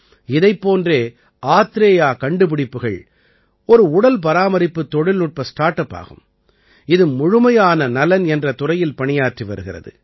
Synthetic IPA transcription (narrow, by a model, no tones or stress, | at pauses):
ɪðɐɪpːoːndreː | ʔaːt̪ɪɾeːjaːkɐɳɖɯp̬ɪɽɪpːɯɣɐɭ | ɔɾɯʊɽɐlp̬ɐɾaːmɐɾɪpːɯt̪ːɔɽɪlnʊʈ̚pɐsʈaːʈːɐpːa̰ːɣɯ̰m | ɪðɯmʊɻɯmɐjaːnɐnɐlɐnɛndrɐt̪ʊrɐjɪlpɐɳɪjaːʈriʋɐɾɯɣɪrɐ̰ðɯ̰